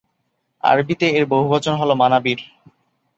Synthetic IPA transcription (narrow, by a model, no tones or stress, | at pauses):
a̰ɾbit̪eeɾboɦubat͡ɕonɦɔlomanabiɾ